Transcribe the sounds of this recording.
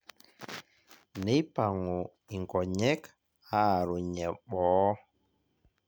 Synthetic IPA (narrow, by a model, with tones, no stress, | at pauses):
nɛ˦jpa˨ŋɔ˨ | i˨ŋɡɔ˨ɲɛ˦k | ha˦˨ɾu˨ɲɛ˨ɓɔː˨˦